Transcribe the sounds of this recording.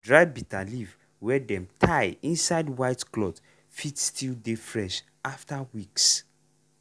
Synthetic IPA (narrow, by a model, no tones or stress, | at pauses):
dɹajbitʰaliv | wɛdɛ̃mtʰaɪĩnsaɪdwaɪtklɔt | fitstʰildefɹɛʃ | aftawiks